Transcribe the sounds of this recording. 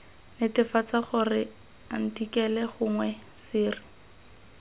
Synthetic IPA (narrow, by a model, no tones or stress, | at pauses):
nɪtɪfat͡saχʊrɪ | an̩tikɛlɛχʊŋwɛsɪːrɪ